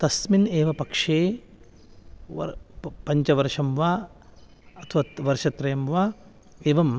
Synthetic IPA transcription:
t̪ɐsmineːʋɐpɐkʂeː | ʋɐ̰pɐɲt͡ʃɐʋɐɾʂɐmʋaː | ɐt̪ʰɐʋɐʋɐɾʃɐt̪ɾɐjɐmʋaː | eːʋɐm

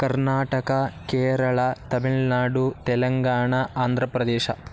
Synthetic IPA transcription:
kɐɾnaːʈɐkɐkeːɾɐɭɐt̪ɐbeɭnaːɖut̪ɛlɐŋɡaːɳɐaːnd̪ʱɾɐpɾɐd̪eːʃɐ̰

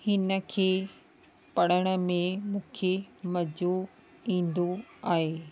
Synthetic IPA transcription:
hɪnə̆kʰeː | pɐɽəɽ̃ə̆mẽmũːkʰemɐd͡ʑo | ĩːnd̪oaːɦeː

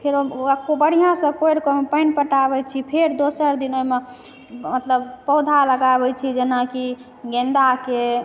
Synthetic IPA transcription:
pʰeɾokobəɽ̤ijãsə̃kojɾkomepəɪnpəʈabɛt͡ʃʰipʰeɾd̪osəɾd̪inome | mət̪ləbpɔwd̪ʱaləɡaβɛt͡ʃʰid͡ʒenaki | ɡẽnd̪ake

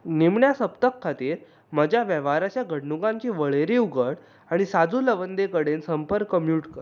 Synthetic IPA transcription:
nimɳjasəpt̪əkʰːat̪iːɾ | məd͡ʑʱjaʋjəʋaɾat͡ɕjaɡʱəɽnuɡãɲt͡ɕiːʋəɭeɾiuɡʱəɽ | aɽ̃isad͡zuːləʋənd̪ekəɽensəmpəɾkːəmjuːʈkəɾ

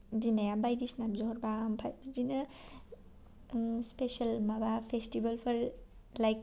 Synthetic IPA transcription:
dimajabajdisnabzɔɔɾbampʰajbzina | spesalmabapʰestibalpʰɐɾ | lajk̚

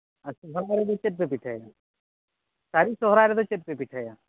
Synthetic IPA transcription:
asɔɦɾaːɾet̪ot͡ʃeʈ̚pepiʈʰaːjaː | saːɾisoɦɾaːɾed̪ot͡ʃeʈ̚pepiʈʰajaː

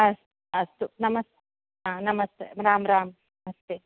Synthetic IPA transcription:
ɐst̪ | ɐst̪unɐmɐst̪e | ɦanɐmɐst̪ḛmɾaːmɾaːm | nɐmɐst̪eː

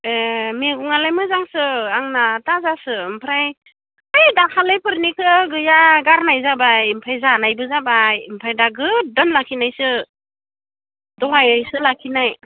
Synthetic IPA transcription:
emeɡuŋalajmɯzaŋsɯaŋnatazasɯmpʰɾaj | ɯjdakʰalɯjpʰɯɾnikʰɯɡɯjaɡaɾnajzabajmpʰajzanajbɯzabajmpʰɾajdaɡɯdɔnlakʰinajsɯ | dɔɦajajsɯlakʰinaj

